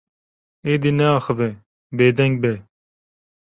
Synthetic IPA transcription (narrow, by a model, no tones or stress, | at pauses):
eːd̪inɛɑːxəve | beːd̪ɛŋɡ̚bɛ